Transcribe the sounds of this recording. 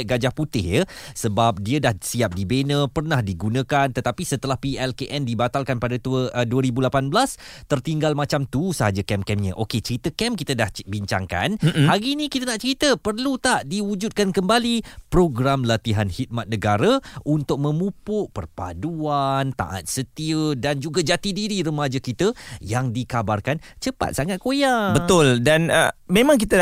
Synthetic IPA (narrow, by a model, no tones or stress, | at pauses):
ʔɡad͡ʒahput̪ɪhjəsəbap̚diədahsiap̚dibenə̃pərnahdiɡunə̃kant̪ət̪apisət̪əlahpiɛlkeʔɛndibat̪alkanpadat̪uəduəɾibulapanblast̪ərt̪iŋɡalmãt͡ʃamt̪usəɦad͡ʒakɛmkɛmɲə̃ʔoket͡ʃəɾit̪əkɛmkit̪ədahbiɲt͡ʃa̰ŋka̰nhaɡinĩkit̪ənaʔt͡ʃəɾit̪əpərlut̪aʔdiud͡ʒut̪̚kankəmbalipɾoɡɾamlat̪iɦanhit̪̚mat̪̚nəɡaɾaʔunt̪ʊk̚mə̃mupʊʔpərpa̰duant̪a̰ʔa̰t̪̚sət̪iədand͡ʒuɡad͡ʒat̪idiɾiɾəmad͡ʒakit̪əjaŋdikabarkan | t͡ʃəpa̰t̪̚saŋat̪̚kojabət̪ʊldanəmẽmãŋk̬it̪ə